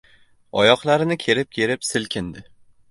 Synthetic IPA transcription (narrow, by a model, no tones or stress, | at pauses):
ɒ̰jɒqlˠaɾɪnɪkʲʰe̞ɾɪp̚kʲʰeɾɪpsɪlkʲʰɪnd̪ɪ